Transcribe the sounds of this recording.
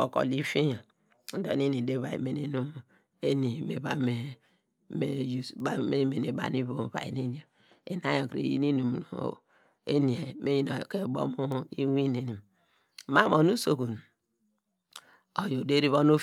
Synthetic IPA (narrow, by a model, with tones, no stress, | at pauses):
o̰˨ko̰˨li˦fi˦jo˨ | n̩˦do̰˨˦ni˦ni˨de˦βa˨ḭ˨me˨ne˦nu˦m˨ | e˦ni˨me˨ba˦me˨ | me˦ju˨ba˦me˦me˨ne˨ba̰˨ni˦βo˨ba̰˨jḭ˨ni˦ni˨˦o˨ | e˨na˦jo˨kɾḛ˨jḭ˦ni˦nu˨m˨˦o̰˨ | ḛ˦ni˨e˨me˦ji˦no˨ke˦˨bo̰˦mu˦i˦wi˦ne˨ni˨m˦ | ma˦mo˨nu˦so˨ku˨n˨ | o˨jo˨de˦ɾi˦βo˦no˦